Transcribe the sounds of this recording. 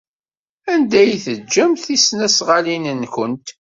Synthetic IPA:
ænd̪æjθəd͡ʒːəmθisnæsʁalinənkənt̪

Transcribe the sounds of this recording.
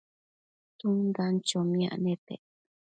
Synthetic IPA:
t̪und̪ant͡ʃomĩa̰ʔnẽt̪ḛ

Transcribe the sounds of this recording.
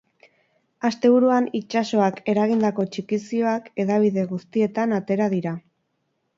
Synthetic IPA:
ast̪e̞β̞uɾuanit͡ʃaso̞ake̞ɾaɣ̞ind̪ako̞t͡ʃikisio̞ake̞ðaβ̞iðe̞ɣust̪ie̞t̪anat̪e̞ɾaðiɾa

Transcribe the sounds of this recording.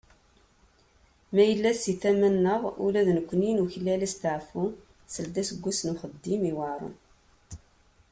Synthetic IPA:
mæjəlːæsiθæmænːəʁṵlæðnəkʷːninuçlːælæst̪əʕfu | səld̪æsəɡʷːusnuχəd̪ːimiwɑɾˤə̰n

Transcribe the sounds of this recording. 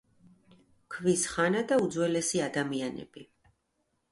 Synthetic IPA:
kʰvisχanad̪aud̪zwɛlɛsiad̪amianɛ̰b̥i

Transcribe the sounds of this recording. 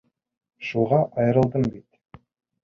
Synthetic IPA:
ʃuʁɑʔɑjɾəlˠd̪əmbet̪

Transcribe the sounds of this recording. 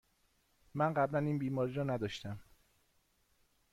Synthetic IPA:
mænɢæblæniːnbiːmɒːɾiːɾɒːnæd̪ɒʃt̪æm

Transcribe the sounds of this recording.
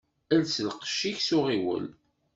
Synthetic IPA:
ælsəlqʃiçsʊʁiwə̰l

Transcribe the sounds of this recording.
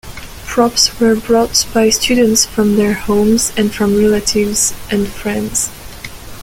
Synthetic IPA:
pʰɹ̥ɔpswə˞bɹɔtb̥aɪstʉd̃ⁿn̩tsfɹʌ̃mðə˞hõʊ̃mzɨ̃nfɹʌ̃mɹɛlətʰɪvz̥ʔɨ̃nfɹɛ̃ndz̥

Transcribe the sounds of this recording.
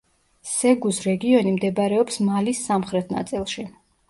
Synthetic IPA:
sɛɡusɾɛɡiɔnimd̪ɛbaɾɛɔpsmalisːamχɾɛt̪ʰna̰t̪sʼilˠʃi

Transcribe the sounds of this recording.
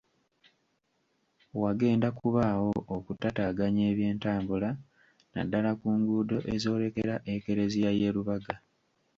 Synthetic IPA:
waɡe̞ːndakuβaːwo̞ʔokutataɡaɲe̞ːβje̞ːntaːmbula | na̰dːalakuːŋɡuːdo̞ʔe̞zo̞ːle̞ke̞ɾaʔe̞ke̞ɾe̞zijaje̞ːɾuβaɡa

